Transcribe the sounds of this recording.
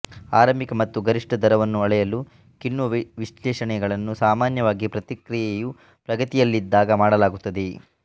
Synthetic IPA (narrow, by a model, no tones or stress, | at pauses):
aːɾɐmikɐmɐt̪ːuɡɐɾiʂʈɐd̪ɐɾɐʋɐnːuɐɭɛjɐlu | kinːuɐʋiʂlɛːʃɐɳɛɡɐɭɐnːusaːmaːnjɐʋaːɡipɾɐt̪ikɾijeju | pɾɐɡɐt̪ijɐlːid̪ːaːɡɐmaːɽɐlaːɡut̪ːɐd̪e̞